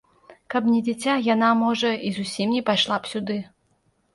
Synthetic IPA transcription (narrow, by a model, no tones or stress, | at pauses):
kɐpnʲɛd͡zʲit͡sʲajanamɔʐɐizusʲimnʲɛpajʂlˠapsʲud̪ɨ